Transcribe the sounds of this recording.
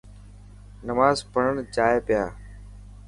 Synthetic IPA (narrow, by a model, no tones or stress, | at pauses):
nəmaːzpəɳəɳd͡ʒaːeːpɪjaː